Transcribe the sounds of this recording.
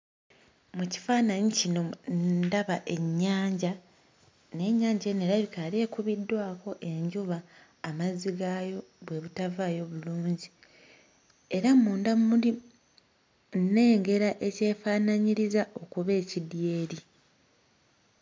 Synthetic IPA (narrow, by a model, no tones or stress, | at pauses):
muci̥faːnaɲicino̞daβaʔe̞ɲːaːɲɟa | ne̞ɲːaːɲɟene̞ɾaβikale̞ːkuβidːwaːko̞ʔe̞ɲɟuβaː | maziɡajo̞βwe̞βutavaːjo̞βuluːɲɟi | e̞ɾamuːndamuli | ne̞ːŋɡe̞ɾaʔe̞ce̞ːfaːnaɲiɾizaʔo̞kuβe̞ːcidje̞ːɾi